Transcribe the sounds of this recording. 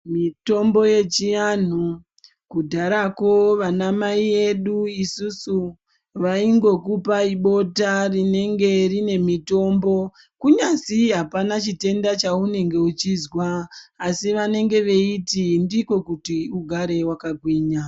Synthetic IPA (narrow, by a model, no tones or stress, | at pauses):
mito̞mbo̞je̞t͡ʃijan̤u | kudʱaɾako̞ʋanamaiʋe̞ɗuisusu | ʋaiŋɡo̞kupaiɓo̞tarine̞ŋɡe̞rine̞mito̞ːmbo̞ | kuɲasiɦapanat͡ʃite̞ndat͡ʃaune̞ŋɡe̞ut͡ʃizwaːsiʋane̞ŋɡe̞ʋe̞itindiko̞kutiuɡʱaɾe̞wakaɡʱwiːɲa